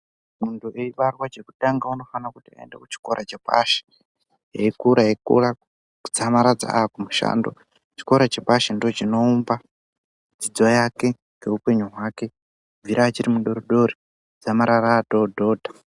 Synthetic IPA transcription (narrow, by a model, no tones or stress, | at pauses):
muntuʔeiɓarwad͡ʒe̞kuɗaŋɡauno̞fanakutia̰ḛnde̞̰kut͡ʃi̥ko̞ɾʔat͡ʃepa̰ʃe̥ | ɦeikuɾajekṵra | d͡zamaɾad͡za̰akumuʃa̰ːndo̞̰ | t͡ʃi̥ko̞ɾat͡ʃepaʃendiot͡ʃino̞umba | d͡zid͡zojake̞ | ŋɡe̞upe̞ɲuɦwaːke̞ | vʱiɾaːt͡ʃiɾimuɗo̞ɾoɗo̞ɾi | d͡zamaɾaraːdodʱo̞ːdʱa